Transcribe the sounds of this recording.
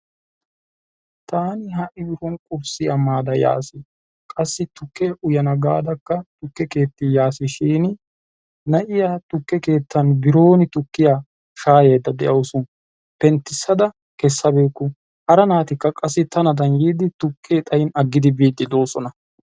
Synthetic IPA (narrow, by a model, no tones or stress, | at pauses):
t̪aːnɪɦɐʔɪbɪfɔnkʼʊbsɪjɐmːaːd̪ɐja̰ːsɪ | kʼɐsːɪt̪ʊkːeʔʊjɐnɐɡaːd̪ɐkːɐt̪ʊkːɛke̞ːt̪ːɪjaːsɪʃiːnɪ | nɐʔɪjat̪ʊkːɛke̞ːt̪ːɐnbɪɾo̞ːnɪt̪ʊkːɪjaː | ʃaːjeːd̪ːɐd̪ɛʔɐwsʊn | pɛnt̪ːɪsːɐd̪ɐ | kɛsːɐbeːkːʊ | hɐɾɐnaːt̪ɪkːɐkʼɐsːɪt̪ɐnɐd̪ɐŋɡiːd̪ɪt̪ʊkʰːeːt̪ʼɐjɪnɐɡːɪd̪ɪbiːd̪ːɪd̪o̞ːsɔnɐ